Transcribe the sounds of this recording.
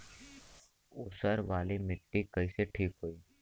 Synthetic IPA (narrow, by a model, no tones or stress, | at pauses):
ʊsəɾʋaːlimɪʈːikəiseʈʰiːkɦoːiː